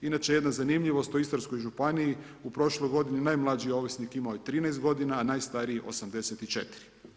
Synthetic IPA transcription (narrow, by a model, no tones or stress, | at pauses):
inat͡ʃeje̞d̪nazanimʎiʋo̞st̪oist̪oɾsko̞jʒupaniji | upɾo̞ʃlojɡo̞d̪ininajmlˠad͡ʒio̞ʋisnikimaojit̪ɾiːnɛjst̪ɡo̞d̪inaːnaːjst̪aɾiio̞̰samd̪e̞set̪it͡ʃe̞t̪i̥ɾi̥